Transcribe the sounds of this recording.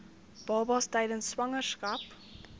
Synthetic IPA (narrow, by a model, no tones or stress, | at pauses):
b̥ɑːbɑsdaɪdənswaŋəskap